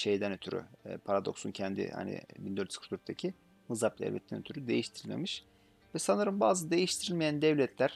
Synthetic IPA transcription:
ʃe̞jd̪ænøt̪ʰyɾy̰pʰaɾad̪o̞̰ksuncʰɛnd̪ḭha̰nḭbind̪øɾt̪ʰskʰt̪øyɾk̚t̪ʰacʰi | mɯzaplʲɛ̰lvɛ̰t̪ːʰænøt̪ʰyɾyd̪e̞jiʃt̪ʰiɾilʲmḛmiʃ | vɛsanɯɾɯmbaːzɯd̪ejiʃt̪ʰiɾilʲmejænd̪ɛvlʲɛt̪ʰlʲæɾ̥

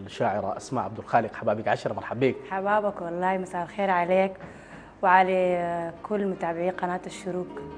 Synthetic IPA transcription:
laʃaːʕɪɾa̰ʔasmaʕab̚d̪alxaːlɪqħabaːbakʕaʃɑɾˤmɑɾħabːiːkħabaːbakwɑlˤːɑːhimasaːlxeːɾʕaleːk | wɪʕalakʰʊlːmʊt̪aʕbʕiːqɑnaːt̪aʃːʊɾuːk

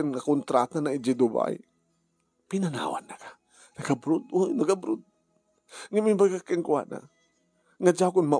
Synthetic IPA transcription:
anŋakʊnt̪ɾat̪anaɪd͡ʒɪd̪ʊba̰j | pɪnana̰ːwa̰nːakḁ | naɡabɾʊd̪ojnaɡabɾʊd̪̚ | ŋamibakakɪŋkʊa̰na̰ | ŋad͡ʒakʊnma

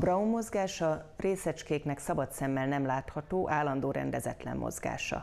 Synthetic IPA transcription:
brɒumːo̞zɡaːʃɒreːsɛt͡ʃkeːknɛksɒbɒt̪sɛmːɛlnɛmlaːt̪hɒt̪oːʔaːlːɒnd̪oːɾɛ̰nd̪ɛzɛt̪lɛ̰mːo̰zɡa̰ːʃɒ̰

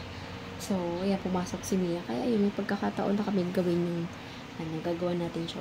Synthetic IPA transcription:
sowjanpʊmaːso̞k̚sɪmiːjɐkɐja̰ʔjʊŋmɐjpɐɡ̚kɐkat̪ɐʔo̞nːɐkɐmɪnɡɐwɪnjʊŋ | ɐnɐɡaːɡɐwanaːt̪ɪnʃa

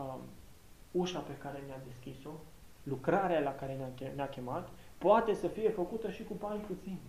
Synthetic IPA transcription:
uʃape̞kaɾe̞nead̪e̞skʲiso̞ | lukɾaɾealakaɾe̞naeneakʲe̞mat̪poat̪e̞səfije̞fəkut̪əʃikubanʲput̪sin

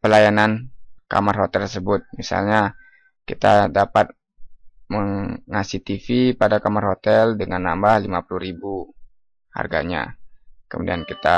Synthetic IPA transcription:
pəlajananka̰marhot̪ɛlt̪səbʊt̪̚misa̰lɲa | kit̪a̰dapat̪̚ | məŋŋasit̪ifipadakamarhot̪ɛldəŋanːambahlimapuluɾibu | ha̰rɡa̰ɲa̰kəmudiankit̪a

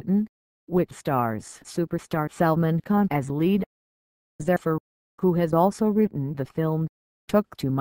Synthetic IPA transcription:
ʔn̩ | wɪtstɑɹz̥sʉpə˞stɑɹsɛlˠmɨ̃nkʰɑ̃nɨzliɾ | zɛfə˞ | huɨzɔlˠsoʊɹɪʔn̩ðɨfɪlˠm | tʰʊk̚tʰɨm

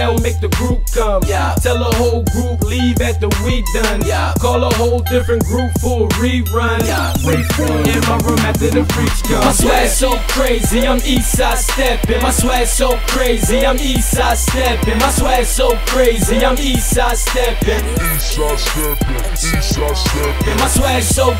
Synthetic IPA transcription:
ɛlmeɪk̚ðɨɡɹup̚ɡ̥oj | tʰɛlˠəɦoʊlˠɡɹuplivɨt̪̚ðəwidʌ̃n | kʰɔlˠəɦoʊlˠdɪfɹɨ̃nɡ̥ɹupfəɹi | ɹʌ̃n | ɹifɔ | ɪ̃nmaɪɹũmæðɨɾɨfɹit͡ʃkʰʌ̃mswɛsoʊkʰɹ̥eɪziãɪ̃misastɛpɪ̃aswɛsoʊkʰɹ̥eɪziãɪ̃misas | ɛpɪ̃maswɛsoʊkʰɹ̥eɪziãɪ̃misastɛpɪ̃ | i | stɛp | is | stɛ | aswɛ | soʊ

